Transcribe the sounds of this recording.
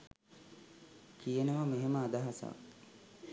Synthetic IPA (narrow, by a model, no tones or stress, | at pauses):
kijənəʋəmeɦeməad̪aɦasa̰